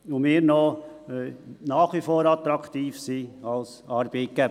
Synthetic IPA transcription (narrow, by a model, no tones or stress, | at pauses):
ʊmɪːɾno | nɑːχʋifoːɾɑt̪ɾɑkt̪iːfsiɑls | ɑɾbekæ